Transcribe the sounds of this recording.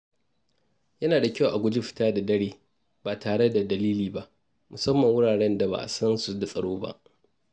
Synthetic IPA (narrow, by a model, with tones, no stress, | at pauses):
jɐ˦naː˨da˨kʲa˦˨wʔa˨ɡʷʊ˦d͡ʒɪ˦ɸɪ̥˦taː˦da˨dɐ˦ɽeː˨ | b̥aː˨taː˨ɽe˦da˨dɐ˨liː˦liː˨ba˦ʔ | mʊ˨sɐ˦mːɐ˨ŋwʊ˦ɽaː˨ɽɛ˦nda˨ba̰ː˨ʔa̰˨sɐ˦nsu˨da˨sʼɐ˨ɽoː˦ba̰˦ʔ